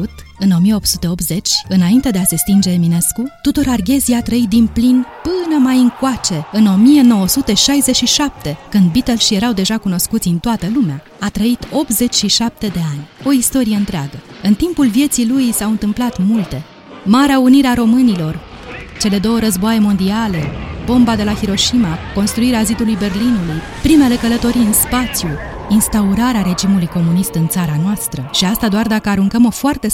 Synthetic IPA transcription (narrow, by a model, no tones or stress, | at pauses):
ut̪ɨno̞mijeop̪sut̪e̞o̞p̪ze̞t͡ʃʲɨnaint̪e̞d̪ease̞st̪ind͡ʒe̞ːmine̞skut̪ut̪oɾarɡʲe̞ziat̪ɾəit̪̚d̪inplinpɨnəmajɨŋkwat͡ʃe̞ɨno̞mije̞no̞wəsut̪e̞ʃajze̞t͡ʃʃiʃap̚t̪e̞kɨnd̪bit̪elsʃije̞ɾawd̪e̞ʒakuno̞skut̪sʲint̪oat̪əlumea | at̪ɾəit̪o̞p̚t̪ze̞t͡ʃʲʃiʃap̚t̪e̞d̪e̞anʲo̞ist̪o̞ɾije̞ɨnt̪ɾeaɡəɨnt̪impulvje̞t̪silujsawɨnt̪ɨmplat̪mult̪e̞ | maɾeauniɾeaɾo̞mɨnilo̞r | t͡ʃe̞le̞d̪o̞wəɾəzboajemo̞nd̪iale̞bo̞mbad̪e̞lahiɾo̞ʃimako̞nst̪ɾuiɾeazid̪ulujbe̞rlinuluj | pɾime̞le̞kələt̪o̞ɾiɨnspat̪sju | inst̪auɾaɾeaɾe̞d͡ʒimulujko̞munist̪ɨnt̪saɾanoast̪ɾəʃiast̪ad̪oard̪akəaɾuŋkəmo̞foart̪e̞